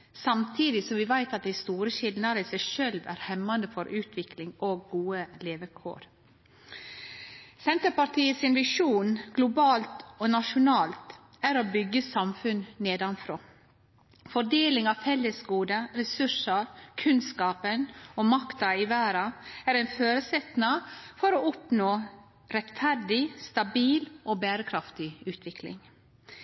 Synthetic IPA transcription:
sɑmt̪ʰiːd̪ɪsɔmʋɪʋæɪt̪ɑt̪̚d̪æɪst̪uːɾəɕɪlnɑɾəiːsæɪʃøːlʋæ̰ːɾhɛmːɑnəfɔɾʔʉːt̪ʰʋɪklɪŋoːɡːuːəleːʋəkʰo̰ːɾ | sɛnt̪əɾpɑʈʰiːəsɪnʋɪʂuːnɡ̥lʊbɑːlt̪oːnɑʃʊnɑːlt̪ | æɾoːbʏɡːəsɑmfʉnneːd̪ɑnfɾoː | fɔɖeːlɪŋɑfɛlːəsɡuːd̪əɾɛsʉʂəɾkʰʉnskɑːpənoːmɑkt̪ɑɪʋæːɾɑæɾɛɪnføːɾəsɛt̪nɑfɔɾoːɔpnoː | ɾɛt̪fæɾɖɪst̪ɑbiːlʔoːbæːɾəkʰɾɑft̪ɪʉːt̪ʋɪkʰlɪ̰ŋ

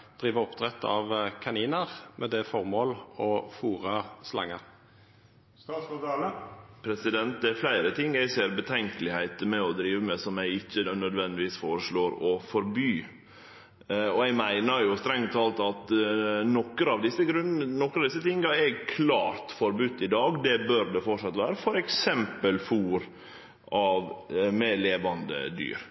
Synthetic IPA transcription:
d̪̥ɾiːʋəɔpt̪ʰʁɛt̪ːɑ̰ʋkʰɑniːnəʁmʔɛd̪ɛfɔʁmoːlɔfuːʁəslɑ̰ŋːəɾ | pʰɾɛsɪd̪ɛnt̪̚d̪ɛæɾflæɪɾət̪ʰɪŋːæɪseːɾbət̪ʰɛŋkəlɪhæɪt̪əmɛɔd̪ɾiːʋəmɛsɔmjæɪɪçːənœd̪ʋɛnd̪ɪʋiːsfoːɾəʂɭoːɾɔfɔɾbyː | ɔɛɡmæɪnəɾjʊst̪ɾɛŋt̪ʰɑlt̪ɑt̪nɔkːəɾɑʋd̪ɪsːəɡɾʉnnɔkːəɾɑʋd̪ɪsːət̪ʰɪŋːɑɛɡkʰlɑːɾt̪fɔɾbʉt̪ːɪd̪ɑːɡd̪ɛbøɾd̪ɛfɔʈʂɑt̪ʋæːɾəfɔɾɛksɛmpəlfuːɾ | ʔɑʋmɛleːʋɑnd̪ə̰d̪y̰ːɾ

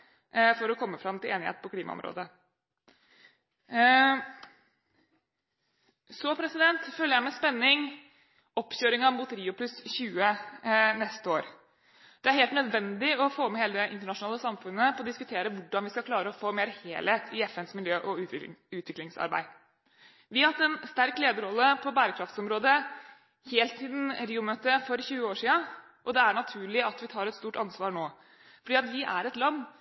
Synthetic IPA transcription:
fɔɾɔkʰɔmːəfɾɑmt̪ʰɪleːnɪhḛːt̪pʰɔkʰliːmɑ̰ɔ̰mɾo̰ːd̪ə | sɔpʰɾɛsɪd̪ɛnt̪fœlːəɾjæɪmɛspɛnːɪŋ | ɔpːɕøːɾɪŋɑmbʊt̪əɾiːʊpʰlʉsçʉːənɛst̪əoːɾ | d̪̥ɛæɾheːlt̪nœd̪ʋɛnd̪ɪɔfoːmɛheːləd̪ɛʔɪnt̪əɳɑʂnɑːləsɑmfʉnːəpʰɔɔd̪ɪskʉt̪ʰeːɾəʋʊɖɑnʋɪskɑkʰlɑːɾəɔfoːmeːɾhḛːlheːt̪ʰɪɛfɛnsmɪljøːʔɔʉʉːt̪ʰʋɪklɪŋsɑ̰ɾbæ̰ɪ | ʋɪhɑt̪ːɛnst̪æɾkleːd̪əɾɔlːəpʰɔbæːɾəkʰɾɑft̪sɔmɾoːd̪ə | heːlt̪siːd̪n̩ɾiːʊmøːt̪əfɔɾçʉːəoːʂiːə | ʔɔd̪ɛæɳɑt̪ʰʉːɭɪɑt̪ʋɪt̪ʰɑːɾɛt̪st̪uːʈɑnsʋɑːɾɳoː | fɔɖiːɑt̪ʋɪʔæɾɛt̪lɑnː

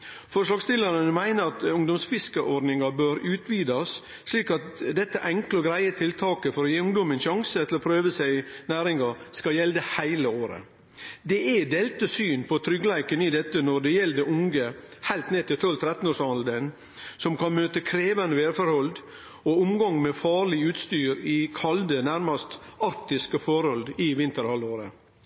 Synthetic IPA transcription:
fɔʂɭɑːɡst̪ɪlɑɾənmæɪnəɾɑt̪ʊŋd̪ɔmsfɪskəʔɔɾɖnɪŋɑbøːɾʉːt̪ʋiːd̪ɑsː | liːkɑt̪d̪ɛt̪ːəʔɛŋklɔɡɾæɪət̪ʰɪlt̪ʰɑːkəfɔɾɔjeːʊŋd̪ɔmənʃɑŋsət̪ʰɪlɔpʰɾøːʋəsæɪnæːɾɪŋɑskɑjɛld̪əhæɪləoːɾə̰ | d̪ɛʔɛd̪eːlt̪əsyːnpʰɔt̪ʰɾʏɡəlæɪkənɪd̪ɛt̪ːənɔd̪ɛjɛld̪ɛʔʊŋɡəhæɪlt̪neːt̪ʰɪlt̪ʰɔlt̪ʰɾɛt̪n̩oːʂɑnld̪en | sɔmkʰɑnmøːt̪əkʰɾeːʋənəʋeːɾfɔɾhɔld̪ | ɔʊmɡɑŋmɛfɑːɾɭɪʉːt̪st̪yːɾɪkʰɑld̪ənæɾmɑst̪ɑɾk̚t̪ɪskəfɔɾɔld̪ɪʋɪnt̪əɾhɑlːoːɾə̰

